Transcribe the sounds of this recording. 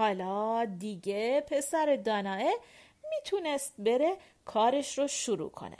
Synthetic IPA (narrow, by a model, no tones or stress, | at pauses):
hɒːlɒːd̪iɟepʰe̞sæɾed̪ɒːnɒːe | miːt̪ʰunest̪̚be̞ɾe̞ | kʰɒːɾeʃɾoʃuɾṵkʰo̰nḛ